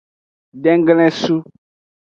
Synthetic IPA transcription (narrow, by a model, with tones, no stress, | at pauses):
ɖɛ˦ŋ˦ɡlɛ̃˦su˦